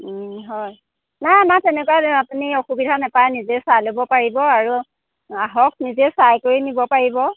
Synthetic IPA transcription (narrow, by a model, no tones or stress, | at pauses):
ɦɔj | najamatɛnɛkwaapunioxubidʱanɛpajnizesajlobɔpaɹibɔaɹu | aɦɔk̚ʰnizesajkoɹinibɔpaɹibɔ